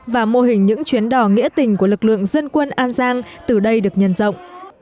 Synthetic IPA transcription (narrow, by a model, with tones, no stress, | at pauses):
vaː˨˩mo˧ɦï˨˩ŋ̟ɲɨ̰˧˥ŋt͡ɕwi˨˦ənɗɔ˧˩ŋḭ˧˥ət̪ï˨˩ŋ̟ku˧˩əlɨ˨˩k̚lɨ̰˧˨əŋzə˧nkwə˧nʔaː˧nzaː˧ŋt̪ɨ˨˩ɗə˧jɗɨ˨˩ək̚ɲə˧˩nzə̰˧˨wŋ͡mʔ